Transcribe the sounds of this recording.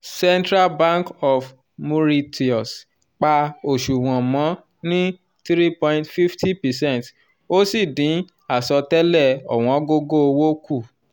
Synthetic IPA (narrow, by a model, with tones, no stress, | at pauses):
sɛ˦ntɾa˦lbã˦ŋkɔ˨f | mũ˧˦ɾi˧ti˨ɔ˨s | k͡pa˧o˨ʃu˨w̃ɔ̃˨mɔ̃˨˦ | nĩ˦ | t̪ɾi˦pɔ̃˧j̃ntfi˦fti˦pɛ˨sɛ̃˦˨nt | o˦si˦˨dĩ˨˦ | a˨sɔ˧tɛ˦lɛ˦˨ɔ̰˨w̃ɔ̃˨˦ɡo˦ɡo˦o˧wo˦ku˦˨